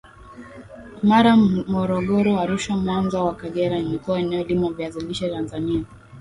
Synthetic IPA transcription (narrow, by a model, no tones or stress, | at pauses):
maɾamɔɾɔɠɔɾɔaɾuʃamwanzawakaɠɛɾaimikuwaɛnɛɔlimavjaziliʃatanzania